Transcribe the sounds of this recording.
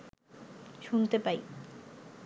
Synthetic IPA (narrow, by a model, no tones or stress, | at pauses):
ʃunt̪epaj